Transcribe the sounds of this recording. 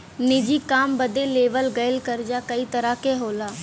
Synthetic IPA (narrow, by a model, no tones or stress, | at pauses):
nɪd͡ʒiːkaːmbəd̪eːleːʋəlɡəjəlkəɾd͡ʒaːkəiːt̪əɾaːkeːɦoːlaː